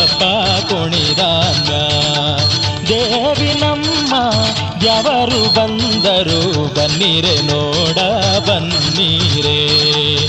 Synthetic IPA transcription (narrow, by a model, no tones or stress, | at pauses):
ɐbːɐpuɳid̪aŋɡa | d̪eːʋinɐmːɐ | jɛʋɐɾubɐnd̪ɐɾubɐnːiɾenoːɽɐbɐnːiɾe